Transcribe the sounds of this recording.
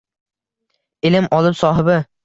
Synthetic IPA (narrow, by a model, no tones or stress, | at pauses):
ɪlɪmʔɒlˠɪpsɒːɦɪbɪ